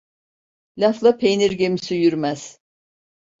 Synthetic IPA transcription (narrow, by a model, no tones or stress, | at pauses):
lʲaflˠapʰejniɾɡemisijyɾmæz̥